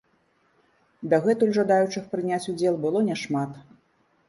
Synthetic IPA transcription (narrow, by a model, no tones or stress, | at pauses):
d̪ɐɣɛt̪ulʲʐad̪ajut͡ʂɨxpɾɨnʲat͡sʲud͡zʲɛlˠbɨlˠɔnʲɛʂmat̪